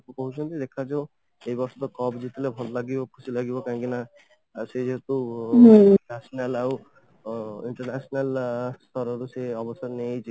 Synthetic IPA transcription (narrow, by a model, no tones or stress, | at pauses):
ukɔɦut͡ʃʰɔnt̪ʰid̪ekʰat͡ʃʰɔ | ejbɔɾsɔt̪ɔkɔbd͡ʒit̪ʰilebʱɔlɔlaɡibɔkʰusilaɡibɔkãkina | sed͡ʒeɦet̪u | asɔnalaw | iɳʈɔɾnasɔnalst̪ʰɔɾɔɾuseɔbɔsɔɾnejt͡ʃʰi